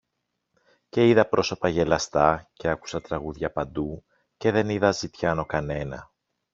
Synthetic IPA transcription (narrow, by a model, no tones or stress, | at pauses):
ce̞iðɐpɾo̞so̞pɐʝe̞lɐst̪ɐce̞ɐku̥sɐt̪ɾɐɣuðʝɐpɐnd̪u | ce̞ðe̞niðɐzit̪çɐno̞kɐne̞nɐ̰